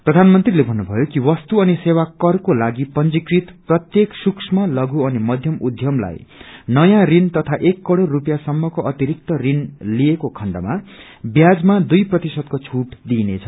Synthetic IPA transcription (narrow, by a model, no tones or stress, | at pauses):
prʌd̪ʱanmʌnt̪rilebʱʌnːubʱʌjokiwʌst̪uʌnisewakʌrkolaɡipʌnd͡zikrit̪prʌt̪jeksuksʰmalʌɡuʌnimʌd̪ʱjʌmud̪ʱjʌmla̰jnʌjãrint̪ʌt̪ʰaʔekːʌɽorupjasʌmːʌkoʌt̪iɾik̚t̪ʌrinliekokʰʌɳɖʌ̰ma̰ | bjad͡zmad̪ujprʌt̪isʌd̪̚kot͡sʰuʈd̪inḛt͡sʰʌ